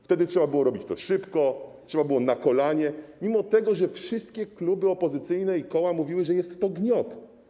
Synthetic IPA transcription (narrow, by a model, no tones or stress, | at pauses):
ft̪ɛd̪ɘtʂɛbabɘwɔɾɔbʲit͡ɕt̪ɔʂɘpkɔtʂɛbabɘwɔnakɔlaɲɛmʲimɔt̪ɛɡɔʐɛfʂɘst̪kʲɛklubɘɔpɔzɘt̪sɘjnɛikɔwamuvʲiwɘʐɛjɛst̪ːɔɡɲɔt̪